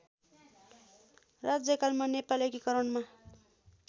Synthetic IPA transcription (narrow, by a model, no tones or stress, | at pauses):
rad͡zjʌkalmanepalekikʌɾʌnma